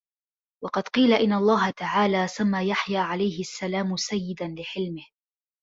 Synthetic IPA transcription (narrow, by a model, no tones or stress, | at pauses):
wɑqɑd̪̥qiːlaʔɪnːalˤːɑːɦat̪aʕaːlaːsamːaːjaħjaːʕalajhɪʔasːalaːmʊsajːɪd̪anlɪħɪlmɪh